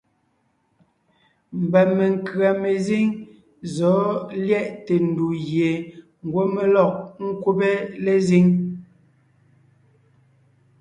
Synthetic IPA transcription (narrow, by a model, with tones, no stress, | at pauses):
m̩˨bɛ˨me˨ŋ̩˨kɰa˨me˨zi˦ŋ | zɔ˨˦ljɛ˦˨ʔte˨n˨du˨ɣje˨ | ŋ̩˨ɡwo˦me˦lɔ˦˨k̚ŋ̩˦kwu˦pe˦le˦zi˦ŋ